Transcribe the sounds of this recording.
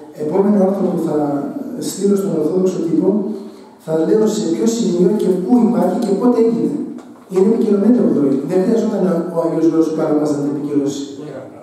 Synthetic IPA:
e̞po̞me̞nɐo̞ɾt̪ɐpuθɐst̪iɾo̞st̪o̞noɾθo̞ðo̞kso̞t̪ipo̞ | θɐle̞ose̞pço̞simio̞ce̞puipɐɾçice̞po̞t̪eeʝine | ineicilo̞net̪ioðoliðeŋxɾiɐzo̞t̪ɐnɐoɐʝozlooskɐɾomɐsɐt̪nepiciɾosi̥

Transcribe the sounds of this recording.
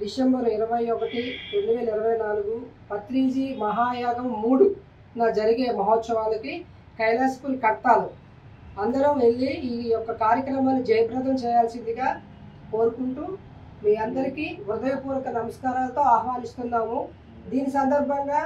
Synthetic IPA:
d̪iʃembɐɾiɾɐʋɐjɔkɐʈit̪o̞ɳɖiuʋɛːlɐiɾɐʋɐjnaːluɡu | pɐt̪ɾiːd͡ʒiːmɐɦaːjaːɡɐmːuːɽu | naːd͡ʒɐɾiɡeːmɐɦoːt̪sɐʋaːlɐki | kɐjlɐskulkɐɽʈ̪aːlu | ɐnd̪ɐɾɐmʋe̞ɭːiiːjɔkːɐkaːɾjɐkɾɐmaːnːid͡ʒɐjɐbɾɐd̪ɐmt͡ʃɛːjaːlsind̪iɡaː | ko̞ːɾukuɳʈuː | miːɐnd̪ɐɾikiːʋɾud̪ɐjɐpuːɾɐkɐnɐmɐskaːɾaːlɐt̪o̞ːaːhʋaːnist̪unːaːmu | d̪iːnisɐnd̪ɐɾbʱɐŋɡaː

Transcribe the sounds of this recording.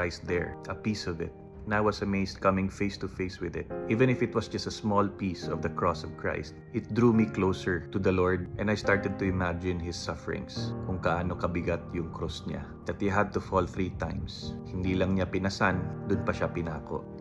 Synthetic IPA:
ajst̪̚d̪ɛɹʔɐpisɔvɪt̪̚ | nawwɐsɐmejskɐmɪ̃ŋfejst̪ʊfejswɪðɪt̪̚ʔiːvɛ̃nɪfɪt̪wɐsd͡ʒɐst̪ɐsmɔlpisɔvd̪ɐkɹɔsɔvkʰɹa̰ɪst̪̚ʔɪt̪̚d̪ɹuːmiklowsəɹt̪ʊd̪ɐloɹd̪̚ʔɛ̃nd̪ɐjst̪aɹt̪ɛd̪̚t̪ʊɪmad͡ʒɪ̃nhɪsːɐfɛɹɪ̰̃ŋskʊŋkɐʔaːnokɐbɪɡat̪̚jʊŋkɹosɲa̰ | d̪ɐt̪hiɦad̪̚t̪ʊfɔlθɹit̪ãjmshɪnd̪iːlɐŋɲapɪnɐsand̪ʊnpɐʃapɪnaːko̰ʔ

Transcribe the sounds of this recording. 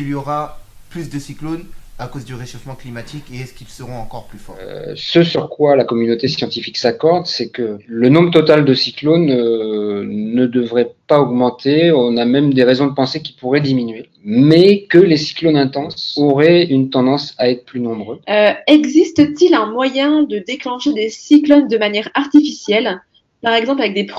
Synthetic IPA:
iljoʁa | plysd̪əsiklonakozd̪yʁeʃofmɑ̃klimat̪ʰikeɛskilsəʁɔ̃ɑ̃kɔʁplyfɔʁsəsyʁkwalakɔmynot̪esjɑ̃t̪ifiksakɔʁd̪sɛkələnɔ̃bʁət̪ɔt̪ald̪əsiklonøː | əd̪əvʁɛpaɔɡmɑ̃t̪eɔ̃namɛmd̪eʁezɔ̃d̪əpɑ̃sekʲi̥puʁɛd̪iminɥe | mɛkəlesi̥klonɛ̃t̪ɑ̃sɔʁɛynt̪ɑ̃d̪ɑ̃saɛt̪χə̥plynɔ̃bʁøøɛɡzist̪ət̪ilɛ̃mwajɛ̃d̪əd̪eklɑ̃ʃed̪esiklɔnd̪əmanjɛʁaʁt̪ifisjɛl | paʁɛɡzɑ̃plavɛk̚d̪ep

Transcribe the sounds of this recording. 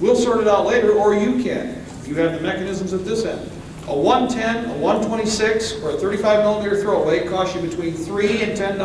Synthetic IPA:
wilˠsɑɹɾɨɾaʊtˡleɪɾə˞ə˞jɨkʰɨ̰̃n | jɨːvðɨmɛkɨnɪzmzʌvdɪsɛ̰̃nd | əwʌ̃ntʰɛ̃nəwʌ̃ntʰw̥ɛ̃ɾ̃isɪksə˞ɨθɜ˞ɾifaɪvmɪlˠə̃miɾə˞θɹoʊweɪkʰɔsɨ̃bɨtʰw̥ĩnθɹiɨ̃ntʰɛ̃nd

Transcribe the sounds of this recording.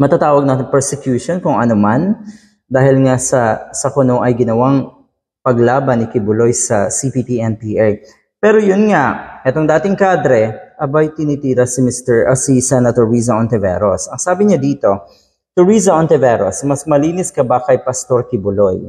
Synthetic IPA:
mɐt̪at̪aːwɐɡ̚naːt̪ɪŋpɛɹsɛkjuːʃonkʊŋʔɐnoman | d̪aːhɪlŋasɐsɐkʊnoʔɐjɡɪnɐwaŋ | pɐɡlaːbɐnɪkɪbʊlojsɐsipiːpiːʔɛnpiʔɛɹ | pɛːɾojʊnŋaʔɛt̪oŋd̪aːt̪ɪŋkaːd̪ɾɛʔɐbajt̪ɪnit̪iːɾɐsɪmɪst̪ɛɹʔɐsisɛnɐt̪ɔɹiːs̬ɐʔont̪ɛvɛ̰ɾo̰sʔɐŋsaːbɪɲad̪iːt̪o̞ | t̪ʊɹiːsɐʔont̪ɛvɛɾo̰smɐsmɐliːnɪskɐbɐkɐjpɐst̪oɾkɪbʊloj

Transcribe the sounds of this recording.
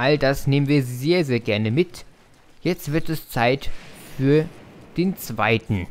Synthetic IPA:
ʔaldasneːmənviːɐzeːɐzeːɐɡɛɐnəmɪt | jɛt͡stv̥ɪɐtɛst͡saɪtfyːɐd̥eːnt͡sv̥a̰ɪtn̩

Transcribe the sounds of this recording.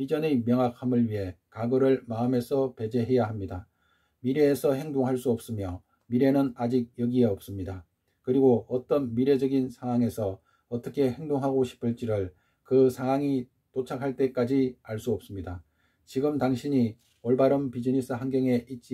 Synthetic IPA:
id͡ʑʌnemjʌŋakʰamɯɭɥiɦe̞kaɡɯɾɯɭmaɯme̞sʰʌpe̞d͡ʑe̞ɦe̞jaɦamɲida | miɾe̞ːsʰʌɦe̞ŋdoŋɦaɭs͈uʌp̚s͈ɯmjʌ | miɾe̞nɯnad͡ʑik̚jʌɡieʌp̚s͈ɯmɲida | kɯɾiɡoʌt͈ʌnmiɾe̞d͡ʑʌɡinsʰaŋɦwaŋe̞sʰʌ | ʌt͈ʌkʰe̞he̞ŋdoŋɦaɡoɕʰi̥pʰɯɭt͡ɕ͈iɾɯɭ | kɯsʰaŋɦwaŋi | tot͡ɕʰakʰaɭt͈e̞k͈ad͡ʑiaɭs͈uʌp̚s͈ɯmɲida | t͡ɕiɡɯmtaŋɕʰiɲi | ʌɭbaɾʌmpid͡ʑinis͈ʰɯɦanɡjeŋe̞ʔit̚t͡ɕ͈i

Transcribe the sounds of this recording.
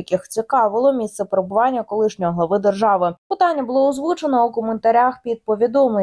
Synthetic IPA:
ɐkʲɪxt͡sʲikɑʋɪlˠɔmʲist̪sɛpɾebʊʋɑnʲːɐkɔlˠɪʃnʲɔjɔɦlˠɐʋɪd̪erʒɑʋɪpɪt̪ɑnʲːɐbʊlˠɔʊzʋut͡ʃenɔukɔment̪ɐɾʲaxpʲid̪̚pɔʋʲid̪ɔmle

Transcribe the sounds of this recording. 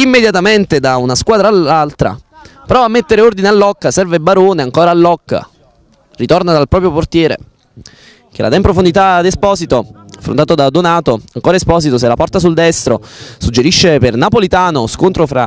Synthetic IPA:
imːed̪jat̪ament̪ed̪aunaskwaːd̪ɾaːlalt̪ɾa̰ | pɾɔvamːet̪ːeɾeord̪inealːɔkːasɛrvebaɾoːneaŋkoːɾaːlːɔkːa̰ | rit̪ornad̪alpɾɔːpɾjoport̪jɛːɾḛ | k̟elʔa̰d̪ɛimpɾofond̪it̪ad̪espɔːsit̪oafɾo̰nt̪aːt̪od̪ad̪onaːt̪oaŋkoːɾaespɔːsit̪os̬elapɔrt̪as̬uld̪ɛst̪ɾosud͡ʒːeɾiʃːepernapolit̪aːnoskont̪ɾofɾa̰

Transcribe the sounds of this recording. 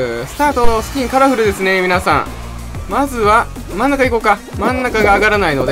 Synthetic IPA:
sɨ̥t̪aːt̪o̞sɨ̥kʲĩŋkaɾaɸɯ̟ɾɯ̟d̪e̞sɨne̞mʲinasã̰ŋ̃ | mazɨβa | mãnːakaiko̞ːka | mãnːakaɡaːɡaɾanaino̞d̪e

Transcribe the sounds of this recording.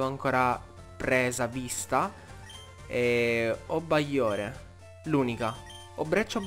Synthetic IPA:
voaŋkoːɾa | pɾɛːzavist̪a | ɛɔbːajːoːɾe | luːnika | ɔbːɾɛt͡ʃːob

